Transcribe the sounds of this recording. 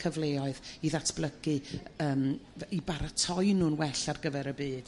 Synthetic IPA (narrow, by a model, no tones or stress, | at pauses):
kʰəvlˠeːɔɨðiðatʰb̥lˠəɡɨəːmibaɾatʰɔjnuːnwɛɬarɡəvɛɾəbiːd̥